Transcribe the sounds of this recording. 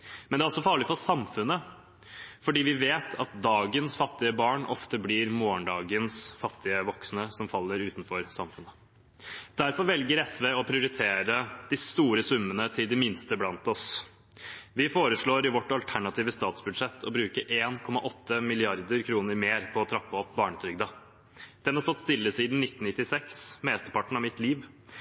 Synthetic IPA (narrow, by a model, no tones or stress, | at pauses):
mɛnd̪ɛæːɔlsɔfɑːɭɪfɔsɑmfʉnə | fɔɖiːʋɪʋeːt̪ʰɑt̪̚d̪ɑːɡənsfɑt̪ːɪəbɑːɳɔ̰ft̪əblɪːɾmoːəɳɖɑːɡənsfɑt̪ʰːɪəʋɔksnəsɔmfɑlːəɾʉːt̪nfɔɾsɑmfʉnə | d̪̥æɾfɔɾʋɛlɡəɾɛsʋeɔpʰɾɪʊɾɪt̪ʰeːɾəd̪̥ɪst̪uːɾəsʉmːənət̪ʰɪld̪ɪmɪnst̪əblɑnt̪ɔs | ʋɪfoːɾəʂɭoːɾɪʋɔʈːɑlt̪ʰæɳɑt̪ʰiːʋəst̪ɑːt̪sbʉd̪ʂɛt̪ːʰɔbɾʉːkəʔeːnkʰɔmɑʔɔt̪ʰːəmɪlɪɑɾd̪əɾkʰɾuːnəɾmeːɾpʰɔːt̪ʰɾɑpːəɔp̚ːbɑːɳət̪ʰɾʏɡ̚d̪ɑ | d̪̥ɛnhɑɾsɔt̪ːst̪ɪlːəsiːd̪n̩nɪt̪ːn̩nɪt̪ːɪsɛksmeːst̪əɾpɑʈɳ̩ɑʋmɪt̪liːʋ